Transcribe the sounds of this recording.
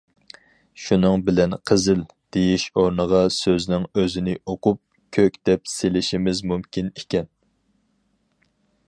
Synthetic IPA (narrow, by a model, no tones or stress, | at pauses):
ʃunɨŋbɪlɛnqʰəzɪl | d̪̥ejiʃoɾnəʁɑsøznɪŋøzɪnɪʔoqʊp̚ | kʲʰøkʲd̪ɛpselɪʃimɪzmumkʲinekʲɛn